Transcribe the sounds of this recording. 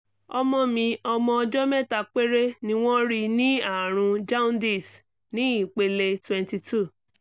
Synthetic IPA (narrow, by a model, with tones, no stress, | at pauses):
ɔ˧mɔ̃˧mĩ˧ɔ˧mɔ̃˧ɔ˧d͡ʒɔ˦mɛ˦ta˦˧k͡pe˦ɾe˦nĩ˦w̃ɔ̃˦ɾi˧nĩ˦a˦˨ɾ̃ũ˧d͡ʒa˦ũ˦n˦di˦˨s | nĩ˦i˦˨k͡pe˧le˧twɛ̃˨nti˧tʰu˦˨